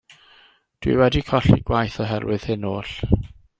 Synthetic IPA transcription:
d̥wḭwɛdikʰɔɬḭɡwajθɔɦɛɾwɪð̥hɪnoːɬ

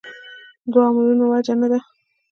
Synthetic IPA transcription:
d̪wɑmalunowad͡ʒanad̪a

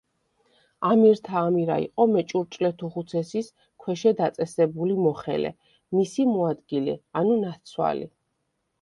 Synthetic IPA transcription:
amiɾt̪ʰaːmiɾa̰ḭqʼɔmɛt͡ʃʼuɾt͡ʃʼlɛt̪ʰuʁut̪sʰɛsis | kʰwɛʃɛd̪at̪sʼɛsɛbulimɔχɛ̰lɛ̰ | misimɔad̪ɡilɛ̰anunat̪sʰwa̰lḭ

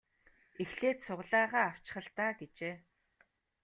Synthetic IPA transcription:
exɮeːt̪sʊʁɮaːʁaːaw̥t͡ɕɪ̥̆χə̆ɮt̪aːɡet͡ɕeː

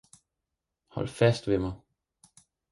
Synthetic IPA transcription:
hɒ̽l̰fæsd̥ʋe̝mɑ̈ɪ

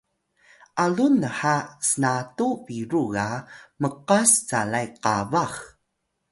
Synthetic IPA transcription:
ʔalunəħasənatuviɾuɣaməqast͡salajqavax

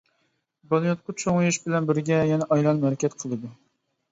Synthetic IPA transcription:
bɑlˠijot̪̚qʊt͡ʃʰoŋjiʃbɪlɛnbɪɾɡʲɛjɛnɛʔɑjlˠɑnmɛɾɛkʲʰɛt̪qʰəlˠɨd̪u

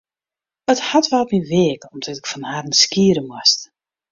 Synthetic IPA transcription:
əthatʋɛlˠtmiʋeːkɔmdɔtɪkfɔnharən̩skiəɾəmwast

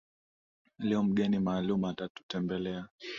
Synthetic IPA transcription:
liɔm̩ɠɛnimaːlumatatu̥tɛmbɛlɛa

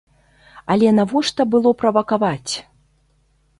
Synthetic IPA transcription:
ɐlʲɛnavɔʂt̪ɐbɨlˠɔpɾɐvɐkavat͡sʲ

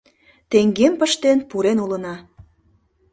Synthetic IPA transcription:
t̪eŋɡempəʃt̪enpuɾenulə̆nɑ

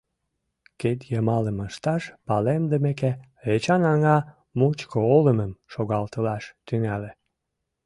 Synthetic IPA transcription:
ket̪jəmɑləməʃt̪ɑʃpɑlemd̪əmeke | et͡ɕɑnɑŋɑ | mut͡ɕkooləməmʃoɣɑlt̪əlɑʃt̪yŋæle

